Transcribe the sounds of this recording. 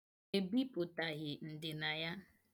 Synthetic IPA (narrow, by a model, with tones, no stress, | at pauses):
e˨bi˦pʊ˨ta˨ɣɪ˨n̩˨dɪ˨na˨ja˦